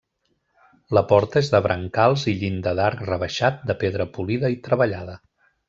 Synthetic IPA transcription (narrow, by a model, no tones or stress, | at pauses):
ləpɔɾt̪əezðəβɾʔəŋkalˠziʎind̪əðaɾkrəβəʃat̪̚d̪əpeðɾəpuliðəit̪ɾəβəʎaðə